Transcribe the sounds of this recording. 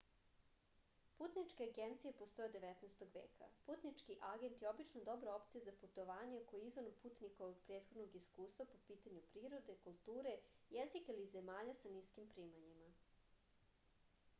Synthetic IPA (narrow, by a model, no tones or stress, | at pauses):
puːt̪nit͡ʃkeaɡent̪sijepost̪ojed̪e̞ʋet̪nɛst̪o̞ɡʋḛːkʰa̰puːt̪nit͡ʂkiʔaɡe̞nt̪jeobit͡ʃnod̪o̞bɾoopt̪sijezaput̪o̞ʋaːɲeokojiizʋonompuːt̪nikoʋoɡpɾeːt̪xo̞d̪noɡiskuːst̪vʋapopiːt̪aɲupɾiːɾo̞d̪e̞kulˠt̪uːɾe̞jezikilizemaːʎasaniːskimpɾiːmaɲima